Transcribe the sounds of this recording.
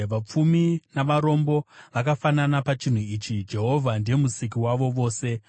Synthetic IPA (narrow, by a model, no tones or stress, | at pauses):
ʋap͡fuminaʋaɾo̞mbo̞ʋakafananapat͡ʃin̤uiːt͡ʃid͡ʒe̞ɦo̞vʱandemusik̬iwaʋo̞ʋo̞ːse̞